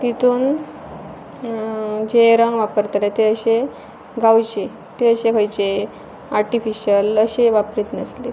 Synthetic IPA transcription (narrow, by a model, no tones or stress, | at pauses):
t̪it̪uːn | d͡ʑeɾəŋɡʋapəɾt̪let̪eəɕe | ɡawt͡ɕe | t̪eəɕekʰəjt͡ɕe | aɾʈifiɕələɕeʋapɾiːt̪nəsle